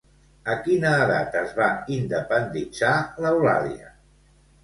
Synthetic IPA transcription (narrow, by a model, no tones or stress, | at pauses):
əkinəːða̰t̪əzβaind̪əpənd̪id͡zaləwla̰ðiə